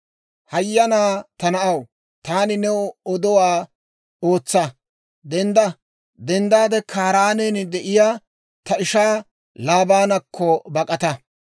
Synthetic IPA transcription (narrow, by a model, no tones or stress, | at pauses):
hɐjːɐnaːt̪ɐnɐʔɐw | t̪aːnɪnɛɔd̪ɔwaː | oːt͡sːɐ | d̪ɛnd̪ɐ | d̪ɛnd̪aːd̪ɛkʰaːɾaːnɛːnɪd̪ɛʔɪjaː | t̪ɐɪʃaː | laːbaːnɐkʰːɔbɐkʼɐt̪ɐ